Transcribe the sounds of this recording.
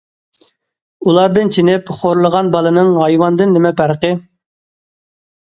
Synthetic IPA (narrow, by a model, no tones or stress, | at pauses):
ulˠɑɾd̪ɨnt͡ʃʰinɪpχoɾlˠəʁɑnbɑlˠɨnɨŋɦɑjwɑnd̪ɨnːɪmɛpʰæɾqə